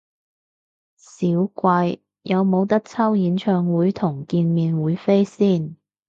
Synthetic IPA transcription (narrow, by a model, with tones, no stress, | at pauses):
siː˨˥wkʷɐ˧j | jɐ˨˧wmo˨˧wt̪ɐ˥k̚t͡sʰɐ˥wjiː˨˥nt͡ʃʰœː˧ŋwuː˨˥jt̪ʰʊ˨˩ŋkiː˧nmiː˨˧nwuː˨˥jfe˥jsiː˥˩n